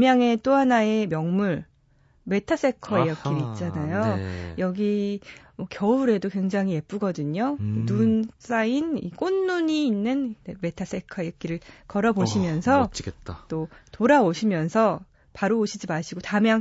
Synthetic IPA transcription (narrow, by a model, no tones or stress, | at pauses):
mjaŋe̞t͈oɦanae̞mjʌŋmuɭ | me̞tʰas͈e̞kʰʌejʌkk͈iɾiit̚t͡ɕ͈anajojʌɡi | mʌkjʌuɾe̞dokwe̞ŋd͡ʑaŋɦie̞p͈uɡʌdɯɲonuns͈ainḭk͈onːuɲiːnːɯnme̞tʰas͈e̞kʰʌejʌk͈̚iɾɯɭkʌɾʌboɕʰimjʌnsʰʌt͡ɕiɡet̚t͈at͈otoɾaoɕʰimjʌnsʰʌ | paɾooɕʰid͡ʑimaɕʰiɡotamjaŋ